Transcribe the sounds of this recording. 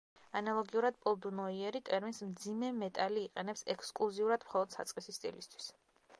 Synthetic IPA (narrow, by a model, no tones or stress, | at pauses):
analˠɔɡiuɾad̪pʼɔlˠd̪unɔiɛɾit̪ʼɛɾminsmd̪zimɛmɛt̪ʼaliːqʼɛnɛpsɛkʰskʼlˠuziuɾad̪mχɔlˠɔd̪̥sa̰t̪sʼqʼisist̪ʼḭlist̪ʰw̥i̥s